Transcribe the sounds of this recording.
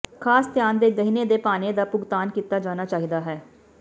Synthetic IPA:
kʰaːst̪jaːnd̪eːɡəɦined̪eːpaːned̪aːpʊɡt̪aːnkiːt̪aːd͡ʒaːnaːt͡ʃaːɦid̪aːɦɛː

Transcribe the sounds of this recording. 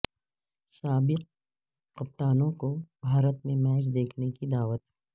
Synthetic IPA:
saːbɪq̚ː | ɐp̚t̪aːnõkobʱaːɾət̪mẽmɛːd͡ʒd̪eːkʰnekid̪aːʋət̪

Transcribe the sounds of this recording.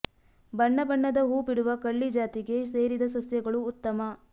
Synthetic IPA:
bɐɳːɐbɐɳːɐd̪ɐɦuːpiɽuʋɐkɐɭːid͡ʒaːt̪iɡe̞seːɾid̪ɐsɐsjɐɡɐɭuːt̪ːɐmɐ

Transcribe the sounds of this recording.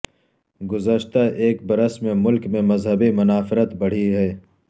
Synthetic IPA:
ɡʊzəʃt̪aʔeːk̚bɐɾəsmẽmʊlkmẽmɐzɦəbimʊnaːfɪɾət̪bɐɽ̤iɦɛː

